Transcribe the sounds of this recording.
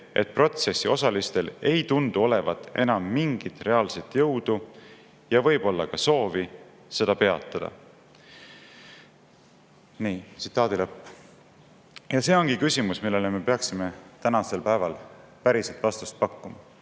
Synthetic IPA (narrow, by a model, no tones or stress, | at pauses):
ʔe̞̰t̪̚pro̞t̪se̞sːio̞sɑlist̪e̞le̞jt̪und̪uo̞le̞vɑt̪ːˑe̞nɑmːiŋɡ̥it̪ˑre̞ɑːlset̪ːˑjɤwd̪̥u | jɑvɤjb̥o̞lːɑkɑso̞ːvi | se̞d̪ɑpe̞ɑt̪ːˑɑd̪ɑ̰ | niːt̪si̥t̪ːˑɑːd̪ilɤpː | jɑse̞ːo̞ŋɡ̥ikysʲimusmilːe̞leme̞pe̞ɑksime̞t̪ænɑse̞lpæevɑl | pæɾiselt̪vɑst̪u̥st̪̚pɑkːumɑ